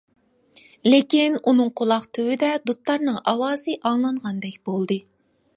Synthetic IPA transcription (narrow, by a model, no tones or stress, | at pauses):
lɪkʲinunɨŋqʰolˠɑqt̪ʰøwɪd̪ɛd̪ut̪ːɑɾnɨŋʔɑwɑːzɨʔɑŋlˠɑɴʁɑnd̪ɛkʲbolˠd̪ɨ